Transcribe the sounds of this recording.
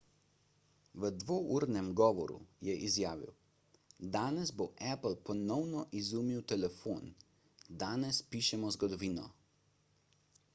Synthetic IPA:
ʋəd̪ʋoːʔuːɾnɛmɡɔːʋɔ̰ɾṵjɛʔizjaːʋḭw | d̪aːnɛzboʔɛplpɔnɔwnɔʔizuːmiwt̪ɛlɛfoːn | d̪aːnɛspiːʃɛmɔzɡɔd̪ɔʋiːnɔ̰

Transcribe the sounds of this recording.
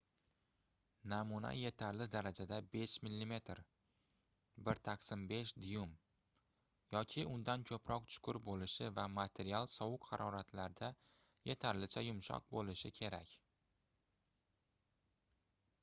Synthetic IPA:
namuna̰je̞t̪ʰaɾlɪd̪aɾad͡ʒad̪abe̞ʃmɪlːime̞t̪ɾ | bɪɾt̪ʰaqsɪmbe̞ʃd̪jʊm | jɒkʲʰɪʔʊnd̪ankʲʰɵpʰɾɒq̚t͡ʃ̪ʰʊ̥kʰʊɾbolɪʃɪvamat̪ʰe̞ɾialˠsɒwʊkhaɾɒɾat̪ʰlaɾd̪a | je̞t̪ʰaɾlɪt͡ʃʰajʊmʃɒ̰q̚bolɪʃɪkʲʰe̞ɾakʲ

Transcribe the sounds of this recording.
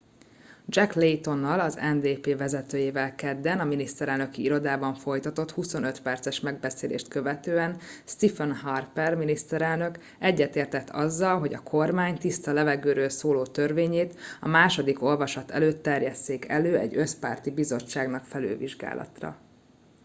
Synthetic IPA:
d͡ʒɛklejt̪o̞nːɒlɒzɛnd̪eːpeːvɛzɛt̪øːjeːvɛlkɛd̪ːɛnɒminist̪ɛɾɛlnø̞kiiɾo̞d̪aːbɒɱfo̞jt̪ɒt̪o̞t̪huso̞nøt̪pɛrt̪sɛʃmɛɡbɛseːlḛːʃt̪kø̞vɛt̪øːɛnst̪ifɛnhɒrpɛrminist̪ɛɾɛlnø̞k | ɛɟːɛt̪eːrt̪ɛt̪ːɒzːɒlɦo̞ɟɒkʰo̞rmaːɲt̪ist̪ɒlɛvɛɡøːɾøːlsoːloːt̪ørveːɲeːt̪ɒmaːʃo̞d̪iko̞lvɒʃɒt̪ɛ̰løːt̪ːɛrjɛst̪eːkɛløːɛ̰ɟːø̞spa̰ːrt̪ibizo̞t͡ʃːaːɡnɒkfɛly̰ːviʒɡa̰ːlʔɒ̰t̪rɒ̰

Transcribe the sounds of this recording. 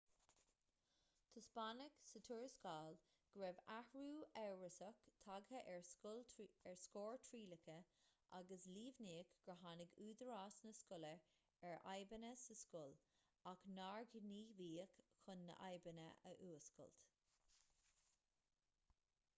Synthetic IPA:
t̪ʰʊspanəɡsət̪ʰuɹskaːl | ɡ̥ɾɛvahɹuːɛwɹəsəkt̪ʰaɡhəʔɹʊlɛɹskoːɹt̪ʰɹiːləkʰəʔa̰ɡəsliːvniːkɡ̥ɹəɦanɪɡuːd̪əɹaːsnəskʊlə | ɛɹʔa̰jbənəsəskʊl | aknaːɹɡniːviːəkxʊnːə̰ʔa̰jbənə̰ʔə̰ʔuːəskʊ̰lt̪

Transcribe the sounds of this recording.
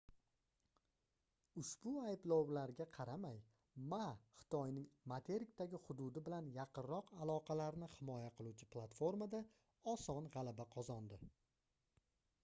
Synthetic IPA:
ʊʃbʊajblˠɒwlaɾɡʲaqʰɑɾamaj | maχɨ̥t̪ʰɒjnɪŋmat̪ʰe̞ɾɪk̚ʲt̪aɡʲɪhʊd̪ʊd̪ɪbɪlanjɑqʰɨnɾɒqalˠɒqʰɑlaɾnɪhɪmɒjaqʰɨlˠut͡ʃʰɪplˠat̪fo̞ɾmad̪a | ɒsɒnʁɑlabaqʰɒzɒnd̪ɪ

